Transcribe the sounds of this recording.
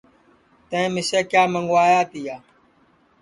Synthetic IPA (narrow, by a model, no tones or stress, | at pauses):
t̪ẽẽːmɪseːkjaːməŋɡwaːjaːt̪iːjaː